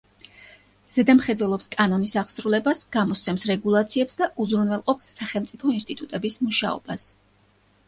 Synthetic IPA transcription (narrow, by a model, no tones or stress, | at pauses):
z̥ɛd̪amχɛd̪vwɛlˠɔpskʼanɔnisaʁsɾulɛbasɡ̥amɔst̪sʰɛmsɾɛɡulˠat̪sʰiɛpsd̪aʔuzɾunvwɛlˠqʼɔpsːaχɛlˠmt̪sʼipʰɔinst̪ʼit̪ʼut̪ʼɛbismuʃa̰ɔ̰b̥as